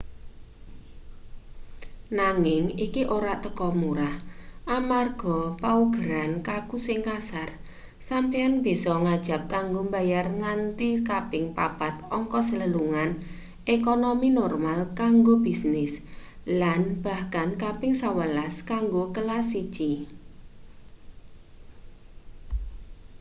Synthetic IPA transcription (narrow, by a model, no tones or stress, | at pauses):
naŋɪŋikiʔoɾaʔt̪əkɔmuɾahʔamarɡ̥ɔ̤pawəɡ̥əɾankakusɪŋkasar | sampejanb̥isɔŋad̥ʒ̥a̤p̚kaŋɡombajarŋant̪ikapɪŋpab̥at̪ɔŋkɔsələluŋan | ʔekonominɔrmalkaŋɡob̥isnɪs | lanb̥a̤hkankapɪŋsawəlaskaŋɡokəlasi̥t͡ʃi